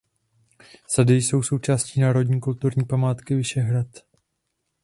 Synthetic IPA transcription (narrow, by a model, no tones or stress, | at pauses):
sadɪjso̞wso̞wt͡ʃaːsciːnaːɾo̞dɲiːkult̪uɾɲiːpamaːt̪kɪvɪʃɛɦɾat̪